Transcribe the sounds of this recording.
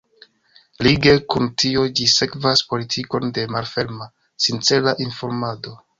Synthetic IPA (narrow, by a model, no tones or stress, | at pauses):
liɡe̞kuntʰio̞d͡ʒise̞kvaspo̞litʰiko̞nde̞malfe̞ɾma | sint͡se̞laʔinfo̞ɾmado̞